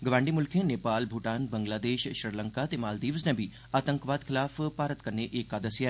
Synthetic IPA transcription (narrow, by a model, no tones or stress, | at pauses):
ɡəʋãːɳɖimʊlkʰẽneːpaːlbʱuːʈaːnbə̃ŋɡlaːd̪eːʃʃɾɪləŋkat̪emaːld̪iːʋsnẽːbʱi | aːt̪ə̃ŋkʋaːd̪kʰɪlaːfpaːɾət̪kɐɾneʔeːkaːd̪əsjaɛ